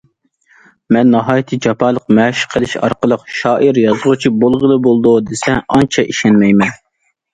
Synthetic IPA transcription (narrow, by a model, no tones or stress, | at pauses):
mɛnːɑɦɑːjit̪ʰɨd͡ʒɑpɑːlˠəqmɛʃqʰəlˠɪʃɑ̰ɾqəlˠəqʃɑːʔiɾjɑzʁʊt͡ʃʰibolˠʁəlˠɨbolˠd̪ud̪esɛɑnt͡ʃʰɑʔiʃɛnmɛjmɛn